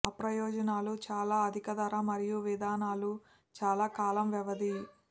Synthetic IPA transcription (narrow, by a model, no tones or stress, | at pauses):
ɐpɾɐjɔːd͡ʒɐnaːlut͡ʃaːlaːɐd̪ʱikɐd̪ɐɾɐmɐɾijuʋid̪aːnaːlu | t͡ʃaːlaːkaːlɐmʋɛʋɐd̪i